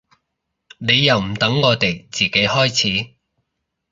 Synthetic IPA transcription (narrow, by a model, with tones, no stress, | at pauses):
ne˨˧jːɐ˨˩wm̩˨˩t̪ɐ˨˥ŋːɔː˨˧t̪e˨˩jt͡siː˨˩ke˨˥jhɔː˥jt͡sʰiː˨˥